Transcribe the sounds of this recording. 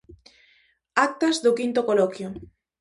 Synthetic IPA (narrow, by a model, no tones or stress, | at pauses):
ak̚t̪ɐzðʊkint̪okolɔkjo